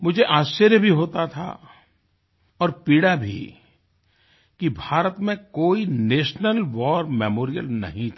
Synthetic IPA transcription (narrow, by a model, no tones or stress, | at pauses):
mʊd͡ʒʱeʔaːsʃːəɾjəbʱiɦoːt̪at̪ʰa̰ | ɔːɾpiːɽabʱḭ | kibʱaːɾət̪mẽkoːineːʃnəlʋɔːɾmɛːmoːɾijəlnɐ̰ɦĩt̪ʰa